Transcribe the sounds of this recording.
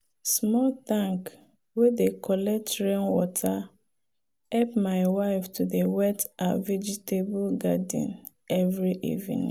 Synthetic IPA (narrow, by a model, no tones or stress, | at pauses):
smɔltãŋk | wedekʰɔlɛk̚tɹɛ̃nwɔtʰa | hɛpmaɪwaɪftuðewɛtavɛd͡ʒitebulɡadḭ̃n | ɛvɹiʔḭvḭ̃n̰